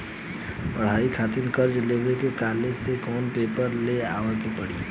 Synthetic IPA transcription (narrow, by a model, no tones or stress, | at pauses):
pɐɽ̤aːikʰaːt̪ɪnkɐɾd͡ʒleːʋekekaːlesekɔːnpeːpəɾleaːʋəkepɐɽ̤ḭ